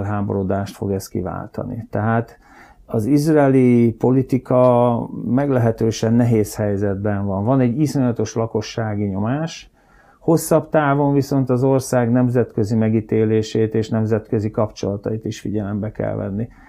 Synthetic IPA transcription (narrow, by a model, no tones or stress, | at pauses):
rɦaːbo̞̰ɾo̞d̪aːʃt̪fo̞̰ɡɛst̪kḭva̰ːlt̪ɒ̰nḭt̪ɛɦaːt̪ | ɒzizrɛɛːlipo̞lit̪ikɒmɛɡlɛɦɛt̪øːʃɛnːɛɦeːshɛjzɛd̪bɛɱvɒɱvɒnɛɟːiso̞ɲɒt̪o̞ʃlɒko̞ʃːaːɡiɲo̞maːʃ | ho̞sːɒpt̪aːvo̞ɱviso̞nt̪ɒzo̞rsaːɡnɛmzɛt̪kø̞zimɛɡit̪eːleːʃeːt̪eːʃnɛmzɛt̪kø̞zikɒpt͡ʃo̞̰lɒt̪ɒjit̪iʃfiɟɛlɛmbɛkɛ̰lvɛ̰nːi